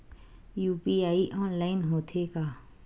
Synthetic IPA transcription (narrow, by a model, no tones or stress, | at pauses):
juːpiaːiʔɔ̃ːnlaːɪnɦoːt̪ʰekaː